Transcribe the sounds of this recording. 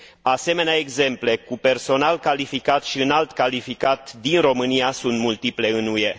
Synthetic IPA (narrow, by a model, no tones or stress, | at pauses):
ase̞me̞neaeɡze̞mple̞kupe̞rso̞nalkalifikat̪ʃiɨnalt̪kalifikat̪d̪inro̞mɨniasunt̪mult̪iple̞ɨnuje̞